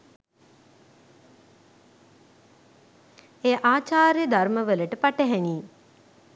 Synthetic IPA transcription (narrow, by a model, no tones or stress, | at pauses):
eːʔaːt͡ʃaːɾjəd̪ʱarməʋələʈəpaʈəɦæniː